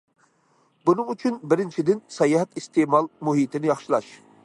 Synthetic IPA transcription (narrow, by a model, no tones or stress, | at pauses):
bunɨŋyt͡ʃʰynbɪɾɪnt͡ʃʰid̪ɪnsɑjɑɦɛt̪ist̪emɑlˠmuɦit̪ʰɪnɪjɑχʃɨlˠɑʃ